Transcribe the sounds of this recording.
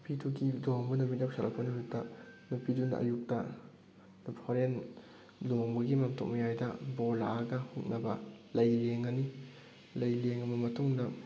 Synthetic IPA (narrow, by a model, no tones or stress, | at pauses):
pʰiduɡidoŋbɐnubinap̚salʔɐk̚pɐnujuk̚dɐnupʰidundɐ̰ʔɐ̰juk̚tɐ | nupʰoɾen | loŋbɐɡimamtʰok̚mɐjajdɐbɔlaɡɐhuk̚nɐbɐlɐjleŋɐni | lɐjleŋɐmɐmɐtʰuŋdɐ